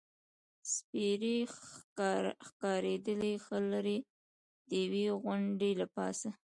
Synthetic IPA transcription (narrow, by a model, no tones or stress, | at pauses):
spiɾe | xkɑɾed̪əlexəlaɾe | d̪əjaweɣʊɳɖelapɑ̰sa